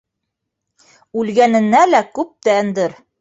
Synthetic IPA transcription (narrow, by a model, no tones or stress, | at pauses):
ʉlɡænɘ̆nːælækʉp̚t̪ænd̪ɘɾ